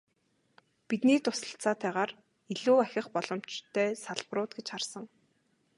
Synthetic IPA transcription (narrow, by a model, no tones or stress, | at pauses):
pit̪niːt̪ʊsə̥̆ɬt͡saːt̪æːʁaːr | iɮuːæxʲɪ̆χpɔɮ̥ɞ̆m̥t͡ɕt̪ʰːœːsaɮprʊːt̪ɡet͡ɕχarsə̆ŋ